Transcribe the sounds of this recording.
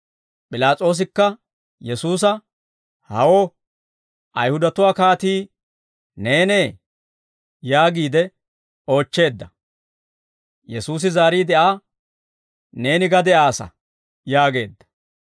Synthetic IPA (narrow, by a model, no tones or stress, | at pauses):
pʼɪlaːt͡sʼo̞ːs̬ɪkːɐ | jɛsuːs̬ɐ | hɐ̰woː | ʔɐjhʊd̪ɐt̪ʊwaːkaːt̪iː | ne̞ːne̞ː | jaːɡiːd̪ɛ | o̞ːt͡ʃːe̞ːd̪ːɐ | jɛsuːs̬ɪzaːɾiːd̪ɛʔaː | ne̞ːnɪɡɐd̪ɛʔaːsɐ̰ | jaːɡe̞̰ːd̪ːɐ̥